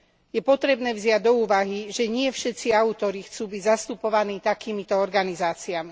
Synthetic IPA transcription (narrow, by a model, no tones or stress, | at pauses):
jɛpɔt̪ɾɛbnɛːvzɪaɟ̚d̪ɔuːʋaɦiʒɛɲɪɛfʃɛt̪t͡siaut̪ɔɾixt͡suːbiɟzast̪upɔʋaniːt̪akiːmit̪ɔɔɾɡanizaːt͡siami